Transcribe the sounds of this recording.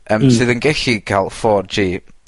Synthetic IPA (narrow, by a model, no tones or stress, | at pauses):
əːmsɨːðənɡɛɬikʰalˠfɔːrd͡ʒiː